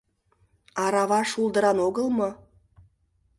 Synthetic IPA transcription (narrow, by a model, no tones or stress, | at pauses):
ɑɾɑβɑʃulˠd̪əɾɑnoɣəlˠmɤ